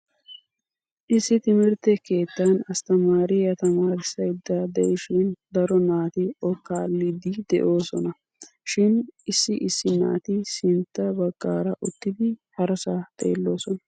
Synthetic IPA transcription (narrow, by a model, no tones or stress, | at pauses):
ʔɪsːɪt̪ɪmɪɾt̪ɛke̞ːt̪ːanɐst̪ɐmaːɾɪjɐt̪ɐmaːɾɪsːɐjd̪ːad̪ɛʔɪʃɪnd̪ɐɾɔnaːt̪ɪɔkːaːlːɪd̪ɪd̪ɛ̰ʔo̞ːsɔnɐ | ʃɪnɪsːɪʔɪsːɪna̰ːt̪ɪsɪnt̪ːɐbɐɡ̥ːaːɾɐʔʊt̪ːɪd̪ɪhɐɾɐsaːt̪ʼe̞̰ːlːo̞ːsɔnɐ